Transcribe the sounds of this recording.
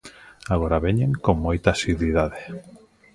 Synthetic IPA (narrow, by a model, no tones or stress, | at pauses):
aɣoɾaβeɲẽŋkoŋmojt̪asiðwiðaðe